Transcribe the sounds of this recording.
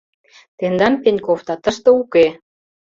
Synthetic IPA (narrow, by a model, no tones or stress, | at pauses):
t̪end̪ɑnpenʲkoft̪ɑt̪əʃt̪ɤ̆uke